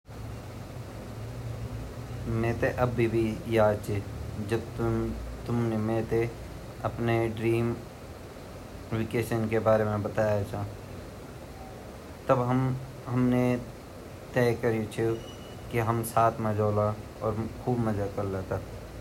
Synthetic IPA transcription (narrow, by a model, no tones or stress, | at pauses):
mẽːt̪eʔɐbːibʱijaːt͡ʃʰid͡ʒəb̚t̪t̪ʊmnemẽːt̪e | ɐpneɖɾiːm | wɪkeːʃənkebaːɾemẽbət̪aːjat͡ʃʰãː | t̪əbɦəm | ɦɐmne | t̪ɛːkəɾit͡ʃʰe | kiɦəmsaːt̪ʰmẽd͡ʒoːla | ɔːɾkʰuːbməd͡ʒakəɾlaːt̪a